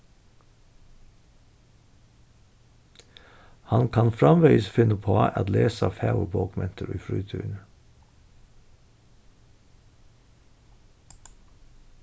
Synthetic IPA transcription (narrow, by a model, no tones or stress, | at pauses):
hɑnkʰɑnfɾɑmʋœɪəsfɪnəpʰoːʔɑt̪leːsɑ̰ːfɑʊəboːkmɛnt̪ʰəɾy̰ːfɾyːt̪ʰʉ̰ːɳ